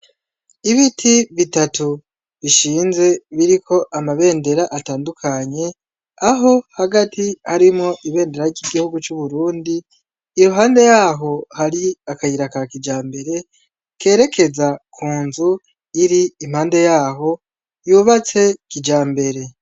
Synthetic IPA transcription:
iβitʰiβitatu | βiʃiːnze̞βiɾikʰo̞ʔamaβe̞ːnde̞ɾaʔataːndukʰaɲe̞ | aɦo̞haɡatʰihaɾimŋo̞ʔiβe̞ːnde̞ɾaɾɟiɡihuɡut͡ʃuβuɾuːndiː | ɾuɦaːnde̞jaːɦo̞haɾiakahiɾakakid͡ʒaːmbe̞ɾe̞ | ke̞ːɾe̞kʰe̞zakʰuːnzu | iɾiːm̥haːnde̞jaːɦo̞ | juːβat͡se̞kid͡ʒaːmbe̞ɾe̞

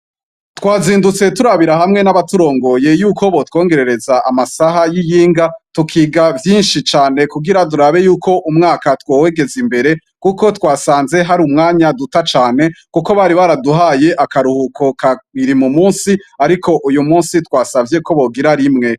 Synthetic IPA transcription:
tkwaːziːndut͡se̞tuɾaβiɾaɦamŋe̞naβatuɾo̞ːŋɡo̞je̞juːkʰo̞βo̞two̞ːŋɡe̞ɾe̞ɾe̞zaʔamasaɦajijiːŋɡatukʰiːɡavjiːnʃit͡ʃaːne̞kuɡiɾaduɾaβe̞juːkʰo̞ʔumŋaːkatwoweɡe̞zimbe̞ɾe̞ | kuko̞twaːsaːnze̞ɦaɾumŋaːɲadutat͡ʃaːne̞kuko̞βaɾiβaɾaduɦaje̞ʔakaɾuhukʰo̞kaiɾimumuːnsiaɾikʰo̞ʔujumuːnsitwaːsavje̞ko̞βo̞ɡiɾaɾimŋe̞

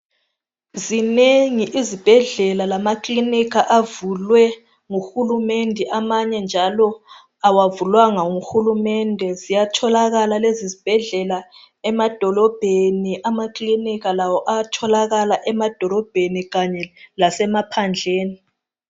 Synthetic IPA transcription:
zineŋiʔizib̥ʱɛɮɛlalamakʼlinikʰaʔavulwɛ | ŋuxulumendʱɛʔamaɲɛnd͡ʒʱalɔ | awavulwaŋaŋuxulumɛndʱɛzijatʰɔlaɣalalezizib̥ʱɛɮɛla | ɛmad̥ʱɔlɔb̥ʱeniʔamaklinikalawɔʔatʰɔlaɣalaʔɛmad̥ʱɔlɔb̥ʱeniɣaɲɛlasɛmapʰand͡ɮʱeːni

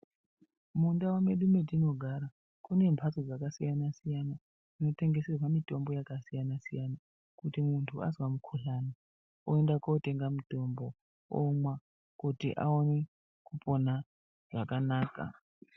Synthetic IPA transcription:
mundawameɗumedino̞ɡʱaɾa | kune̞mpʰasod͡zakasijanasijana | ino̞te̞ŋɡe̞serwamito̞mbo̞jakasijanasijana | kutimuntʰua̰zwamukʰuɬana | oendakote̞ŋɡamuto̞mbo̞ | omwa | kutḭʔa̰one̞ | kupo̞na | ʐ̥akanaːka̰

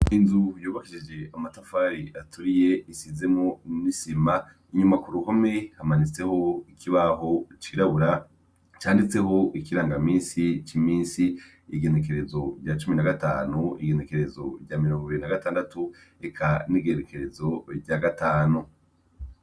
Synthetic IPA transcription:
inzujuːβakiʃid͡ʒe̞amatafaːɾiatuɾije̞isize̞mŋonisima | iɲumakuɾuho̞me̞hamanit͡se̞ho̞ikʰiβaɦo̞t͡ʃiɾaβuɾa | t͡ʃaːndit͡se̞ho̞ʔikiɾaːŋɡamĩːnsit͡ʃimiːnsiː | ɡe̞ne̞k̬e̞ɾe̞zo̞ɾɟat͡ʃuminaɡataːnuḭɡe̞ne̞ke̞ɾe̞zo̞̰ɟamiɾoːŋɡiβiɾinaɡataːndatu | ekʰaniɡe̞neke̞ɾe̞zo̞bɟaɡataːnu

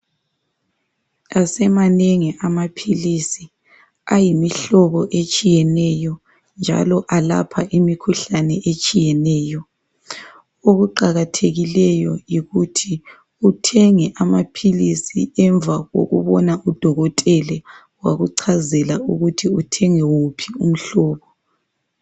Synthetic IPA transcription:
asɛmaneŋiʔamapʰilisi | ajimiɬɔβɔʔet͡ʃʼijɛnɛjɔ | nd͡ʒʱa̰lɔʔala̰pʰaʔimikʰuɬanɛʔet͡ʃʼijɛnɛːjɔ | oɣuǃaɣatʰeɣilɛjɔjiɣutʰi | utʰɛŋɛʔamapʰilisiɛɱb̪vʱaɣo̰ɣṵβɔnaʔud̥ʱɔɣɔtʼɛlɛ | waɣuǀʰazɛlauɣutʰiutʰɛŋɛwupʰium̩ɬɔːβɔ

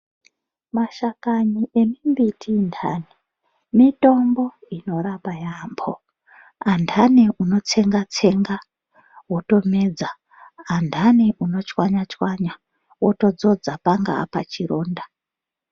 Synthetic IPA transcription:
maʃakaɲiʔe̞mimbitʰindʰʱaːni | mito̞mbo̞ino̞ɾapajambʰo | andʱaniuno̞t͡se̞ŋɡat͡se̞ŋɡa | woto̞meːd͡za | andʱaniʔuno̞t͡ʃwaɲat͡ʃwaɲa | woto̞d͡zo̞d͡zapaŋɡa̰pa̰t͡ʃiɾoːnda

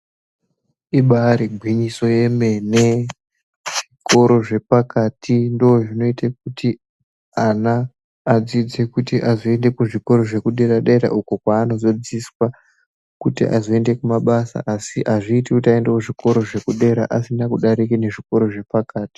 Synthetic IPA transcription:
iɓaɾiɡʱwiɲiso̞je̞me̞ne | ʐ̥iko̞ɾo̞ʐe̞pakatʰindooʐino̞itak̚uti | anaː | d͡zid͡ze̞kutiʔazoe̞nde̞kuʐiko̞ɾo̞ʐe̞kuɗe̞ɾaɗeɾa̰ʔuko̞kwaːno̞zo̞d͡ziswa | kutḭʔa̰zoe̞nde̞kumaɓasa̰ʔasiʔaʐiːtikutaendewuʐiko̞ɾo̞ʐe̞kuɗe̞ɾa̰ʔasinakuɗaɾikine̞ʐiko̞ɾo̞ʐe̞pakaːti̥

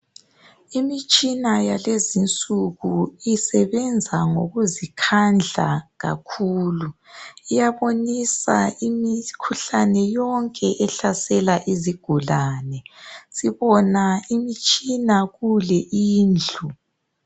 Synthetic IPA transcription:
imit͡ʃʼinajalezint͡sʼuɣuisɛβɛnd͡zʱaŋoɣuzikʰand͡ɮʱa̰ɣa̰kʰuːluijaβonisa̰imikʰuɬanɛjɔŋkʼɛʔɛɬasɛlaʔiziɡ̥ʱulaːnɛsiβɔnaimit͡ʃʼinaɣulɛʔiːnd͡ɮʱu

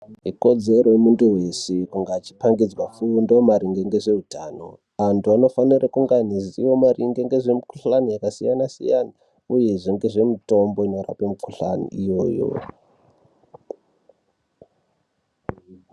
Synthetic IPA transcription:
ɦiko̞d͡ze̞ɾojemunduɦe̞sekuŋɡaːt͡ʃi̥paŋɡid͡zwafundomaɾiŋɡeŋɡe̞ʐe̞utʰaːno̞̰ | ʋantʰuano̞fanirakuŋɡaniziwo̞mariŋɡeŋɡe̞ʐe̞miku̥ɬanijakasijanasḭjana | uje̞ʐoŋɡe̞ʐe̞mito̞mbo̞ino̞ɾa̰pemukuɬa̰nḭʔijo̞ːjo̰

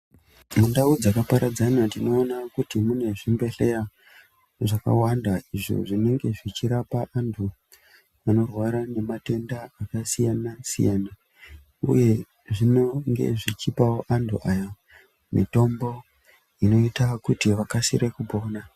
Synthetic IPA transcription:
mundaud͡zakapaɾad͡zanadino̞ːnakutimune̞ʐimbe̞ɬe̞ra | ʐaka̰wandaiʐo̰ʐine̞ŋɡe̞ʐit͡ʃiɾapaʔantʰu | ano̞rwaɾane̞mate̞ndaːkasijanasḭjaːna | ṵje̞ | ʐinoŋɡḛʐit͡ʃipawoʔantʰṵʔaja | mḭto̞mbo̞ | ino̞itakutiʋakasḭɾekupo̞ːna

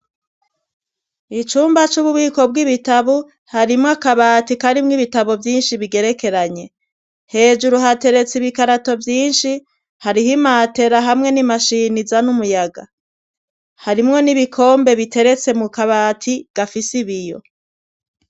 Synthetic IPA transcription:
it͡ʃuːmbat͡ʃuβuβiːko̞b̚ɡiβitaβu | haɾimŋakaβaːtikaɾimŋiβitaβovjiːnʃiβiɡe̞ɾe̞ke̞ɾaɲe̞ | he̞ːd͡ʒuɾuɦate̞ɾe̞t͡siβikaɾato̞vjiːnʃi | haɾiɦimate̞ɾaɦamŋe̞nimaʃinizanumujaɡa̰ | haɾimŋo̞niβikʰo̞ːmbe̞βitʰe̞ɾe̞t͡se̞mukaβaːtʰiɡ̥afisiβijo̞̰

